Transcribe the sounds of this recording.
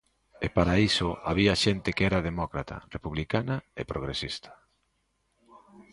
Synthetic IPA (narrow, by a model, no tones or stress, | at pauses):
epaɾaisʊaβ̞iɐʃent̪ɪkɛɾɐðemɔkɾat̪ɐ̰repuβlikanɐḛpɾoɣɾesist̪ɐ̥